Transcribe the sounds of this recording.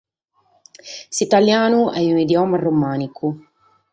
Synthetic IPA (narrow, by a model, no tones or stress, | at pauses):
sit̪aljaːnuʔɛunid̪jɔːmaromaːniku